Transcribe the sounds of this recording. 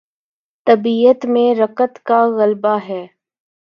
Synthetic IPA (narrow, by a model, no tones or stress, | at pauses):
t̪ɐbiːət̪mẽɾɐkət̪kaɣɐlbaɦɛː